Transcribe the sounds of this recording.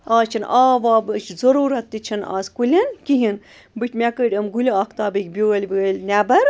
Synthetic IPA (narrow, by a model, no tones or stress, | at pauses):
aːt͡ʃʰɐnʔaːʋaːbɨt͡ʃʰzɐɾuːɾɐt̪ːɨt͡ʃʰɐna̰ːzkulʲɐnkiɦin | bɨt͡ʃʰʲmʲɛkəʈʲəmɡulʲiɐkʰt̪aːbɨkʲbʲoəlʲʋɨlʲnʲɛbɐɾ